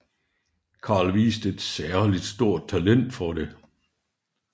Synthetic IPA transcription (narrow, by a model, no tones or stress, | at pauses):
kʰɑ̈lʋḭːsd̥əe̝d̥sæɐlid̥sd̥o̝ɐ̰d̥̚tt͡sʰælen̰d̥fɒɾ̥e̝